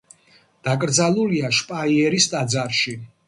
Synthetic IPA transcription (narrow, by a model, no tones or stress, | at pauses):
d̪̥akʼɾd̪zalˠuliaʃpʼaiɛɾist̪ʼad̪zaɾʃi